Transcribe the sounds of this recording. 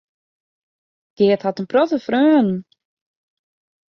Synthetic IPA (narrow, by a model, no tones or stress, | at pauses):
d̥ɪəthatənprɔtəfrøːn